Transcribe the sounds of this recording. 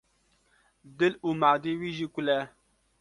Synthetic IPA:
d̪ɪluːmaːd̪iːwiːʒiːkʷʊlɛ

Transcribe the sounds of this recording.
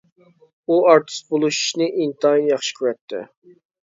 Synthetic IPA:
uɑɾt̪ʰɨ̥sbolˠuʃu̥ʃnɨʔint̪ʰɑjnjɑχʃi̥kʲʰyɾɛt̪ʰːɪ̰

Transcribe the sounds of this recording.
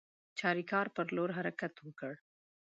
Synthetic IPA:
t͡ʃʰaːɾikaːɾpɐɾloːɾɦɐɾəkət̪ɦũːkəɽ

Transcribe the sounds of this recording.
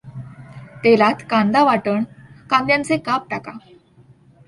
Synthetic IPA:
t̪elat̪kãnd̪aʋaʈəɳkãnd̪jãnt͡sekap̚ʈaka

